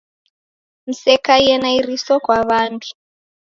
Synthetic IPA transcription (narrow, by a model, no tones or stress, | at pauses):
misɛkajɛnairisɔkwaβaːntʰu̥